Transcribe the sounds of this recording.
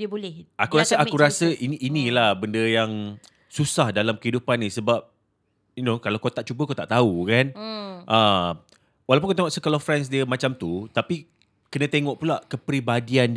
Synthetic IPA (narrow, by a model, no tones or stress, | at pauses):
diəbolɛhʔakuɾasəakuɾasəʔiniʔːnĩlahbəndəjaŋ | susahdalamkəɦidupanisəbap̚ | inokalawkot̪aʔ̚t͡ʃubəkot̪aʔt̪aukanʔə | walawp̬unkot̪eŋɔʔsəkalɔfɾɛns̬diəmãt͡ʃamt̪ut̪api | kənə̃t̪eŋɔʔpulaʔkəpɾibadian